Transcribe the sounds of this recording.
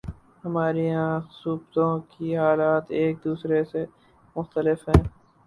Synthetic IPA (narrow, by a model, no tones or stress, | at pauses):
hɐmaːɾiɦãsuːbt̪õkiɦaːlaːt̪eːk̚d̪uːsɾese | mʊxt̪əlɪfɦɛ̃ː